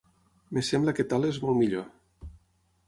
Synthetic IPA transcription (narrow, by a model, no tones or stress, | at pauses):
mesembləket̪alezmolˠmiʎo